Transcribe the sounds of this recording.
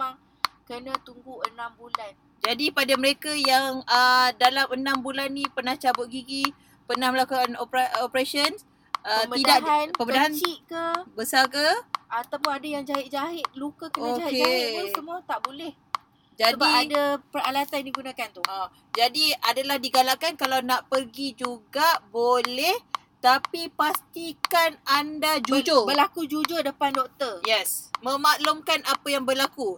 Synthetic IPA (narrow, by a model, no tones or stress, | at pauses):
maŋ | kənat̪uŋɡuʔənãmbulan | d͡ʒadipadaməɾekajaŋədalamənãmbulanːipənaht͡ʃabʊt̪̚ɡiɡi | pənahməlakuanopɾaopɾesəns | ʔəmb̪idaʔɦanpəbədaɦant͡ʃiʔkəbəsalkəʔat̪awp̬ʊnadajaŋd͡ʒaɦɪʔ̚d͡ʒaɦɪt̪̚lukakəonaaked͡ʒaɪusəmũat̪aʔbolɛh | d͡ʒasədaiadapəralat̪andiɡunãkant̪ua | d͡ʒadiadalahdiɡalaʔkankalawnaʔpərɡid͡ʒuɡaʔbolɛh | t̪apipast̪ikanandad͡ʒud͡ʒobəlakud͡ʒud͡ʒʊdəpandɔk̚t̪ərjɛsmə̃maʔlumkanapajaŋbərlaku